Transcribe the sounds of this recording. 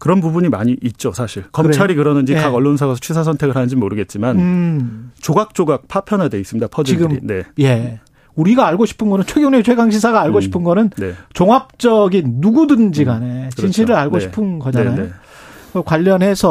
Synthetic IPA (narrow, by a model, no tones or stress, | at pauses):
kɯɾʌnbubuɲimaɲiʔit̚t͡ɕ͈osʰaɕʰiɭkʌmɾt͡ɕʰaɾikɯɾʌnɯnd͡ʑikaɡʌɭːonsʰaɡasʰʌt͡ɕʰisʰas̬ʰʌntʰe̞ɡɯɭɦanɯnd͡ʑimoɾɯɡe̞t̚t͡ɕ͈iman | t͡ɕoɡak̚t͡ɕ͈oɡak̚pʰapʰjʌnɦade̞is͈ɯmɲidapʰʌd͡ʑiɡɯɾmine̞je̞ | uɾiɡaːɭɡoɕʰi̥pʰɯnɡʌnɯnt͡ɕʰweɡjonet͡ɕʰeɡaŋɕʰisʰaɡaːɭɡoɕʰipʰɯnɡʌnɯnnet͡ɕoŋap̚t͡ɕ͈ʌɡinːuɡudɯnd͡ʑiɡanet͡ɕinɕʰiɾɯɾaɭɡoɕi̥pʰɯnɡʌd͡ʑaanajo | kʌkwaʎːʌnɦe̞sʰʌ